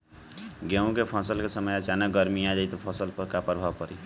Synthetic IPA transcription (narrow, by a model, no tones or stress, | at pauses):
ɡeũkepʰɔsəlkesəməjət͡ʃanəɡəɾmijad͡ʒajt̪ɔpʰɔsəlpəkapəɾbʱawpəɾi